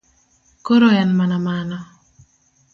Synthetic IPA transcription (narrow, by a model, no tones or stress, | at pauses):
koɾoɛnmanamanɔ